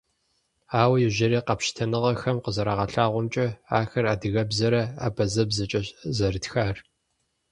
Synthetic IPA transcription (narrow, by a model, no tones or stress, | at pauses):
aːwɐjɪʒɐɾiːqɐpʃtʰɐnɨʁɐxɐmqəzɐɾaːʁɐɬaːʁʷɔmt͡ʃʼɐaːxɐraːdɨɣɐbzɐɾɐa̰ːbɐzɐbzɐt͡ʃʼɐɕzɐrɨtxaːr